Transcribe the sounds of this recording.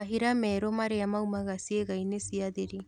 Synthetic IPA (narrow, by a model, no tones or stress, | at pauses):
aɦiɾameːɾomaɾeamawmaɡasieɡajnesiad̪eɾi